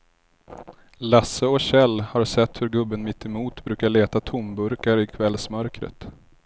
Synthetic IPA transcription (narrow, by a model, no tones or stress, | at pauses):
lasːəɔɕɛlːhaɾsɛt̪ːhɵɾɡɵbːənmɪt̪ːɪmuːt̪bɾʉ̟ːkaɭeːt̪at̪ʰʊmbɵɾkaɾɪkʰvɛlsmœɾkɾə̰t̪